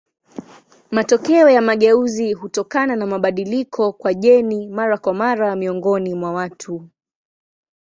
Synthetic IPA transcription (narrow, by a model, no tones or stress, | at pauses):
matɔkɛɔjamaɠɛuziɦutɔkananamaɓaɗilikʰɔkwaʄɛnimaɾakwamaɾamiɔŋɡɔnimwawatʰu